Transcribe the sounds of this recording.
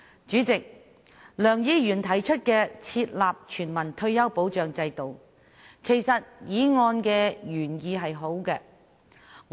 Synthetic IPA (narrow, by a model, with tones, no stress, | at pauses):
t͡ʃyː˨˥t͡sɪ˨k̚ | lœː˨˩ŋjiː˧˥jyː˨˩nt̪ʰɐ˨˩jt͡ʃʰɵ˥t̚kɛː˧t͡sʰiː˧t̚laː˨p̚t͡ʃʰyː˨˩nmɐ˨˩nt̪ʰɵ˧ɥjɐ˥wpo˨˥wt͡ʃœː˨ŋt͡sɐ˧jt̪o˨w | kʰe˨˩jsɐ˨t̚jiː˨˥ŋɔː˧nkɛː˧jyː˨˩njiː˨˧ɦɐ˨jɦo˨˥wkɛ˧